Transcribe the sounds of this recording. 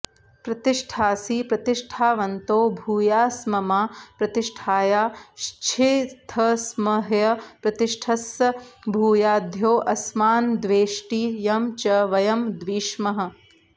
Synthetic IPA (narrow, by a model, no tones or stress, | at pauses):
pɾɐt̪iʂʈʰaːsipɾɐt̪iʂʈʰaːʋɐnt̪oːbʱuːjaːsmɐmaːpɾɐt̪iʂʈʰaːjaːʃt͡ʃʰit̪ʰɐsmɐɦjɐpɾɐt̪iʂʈʰɐsɐbʱuːjaːd̪ʱjoːʔɐsmaːnd̪ʋeːʃʈijɐmt͡ʃɐʋɐjɐmd̪ʋiːʃmɐɦɐ̆